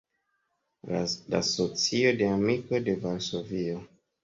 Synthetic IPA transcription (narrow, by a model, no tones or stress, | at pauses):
la̰sot͡sio̞de̞amiko̞de̞valsovio